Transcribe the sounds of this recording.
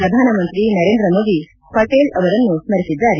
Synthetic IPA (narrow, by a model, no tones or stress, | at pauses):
ɾɐd̪ʱaːnɐmɐnt̪ɾinɐɾeːnd̪ɾɐmoːd̪i | pɐʈeːlɐʋɐɾɐnːumɐɾisid͡ʒaːɾi